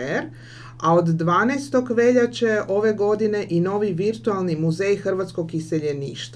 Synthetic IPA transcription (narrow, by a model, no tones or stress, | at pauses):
eɾ | ao̞d̪ːʋaːnejst̪o̞kʋe̞ʎat͡ɕe̞ʔo̞ʋe̞ɡo̞d̪ine̞ʔino̞ːʋiʋiɾt̪ualˠnimuze̞jxr̩ʋat̪sko̞ɡise̞ʎe̞niːʃt̪